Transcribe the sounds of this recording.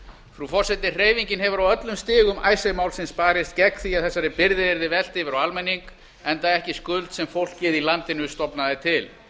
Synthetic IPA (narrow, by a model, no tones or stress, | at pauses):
fɾufɔr̥sɛt̪ɪr̥eːjviɲcɪnhɛvʏɾawœt̪lʏmst̪ɪːɣʏmʔa̰ːjsajmawlsɪnspaːɾɪst̪̚cɛkθiaθɛsːaɾɪpɪɾðɪɪɾðɪvɛl̥t̪ɪvɪɾawalmɛnːiŋk | ɛnt̪aɛhcɪskʏlt̪sɛmfowl̥kːɛːðilant̪ɪnʏst̪ɔpnaðɪt̪ʰɪl